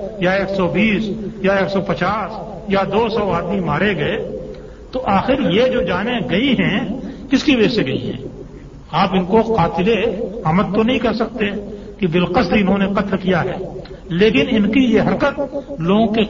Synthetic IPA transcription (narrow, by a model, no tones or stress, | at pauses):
jaeːksɔbiːsjaeːksɔpɐt͡ʃaːs | jad̪oːsɔːaːd̪mimaːɾeɡɐe | t̪oʔaːxɪɾjed͡ʒoːd͡ʒaːneɡɐiɦɛ̃kɪskibeseɡɐḭɦɛ̰̃ː | aːpɪnkoqaːt̪ɪleaːmət̪t̪onɐɦĩkɛɦsɐk̚t̪eɛ̃ | kibɪlqəsd̪iɪnɦõneqɐt̪lkijaɦɛ̰ːleːkɪnɪnkijeɦɐɾkət̪̚loːɡõke